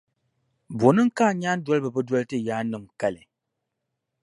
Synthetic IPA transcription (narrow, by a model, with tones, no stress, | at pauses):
bo˨˦nɨ˦ŋ̩˦kaː˦˨ɲaː˦n˦dɔ˦lbɨ˨bɨ˦dwɔ˦ltɨ˦jaː˦nɨ˨mka˦lɨ˨